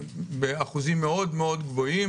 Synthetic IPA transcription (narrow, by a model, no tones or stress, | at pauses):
beaχuzimːeo̞d̪meo̞d̪ɡvo̞i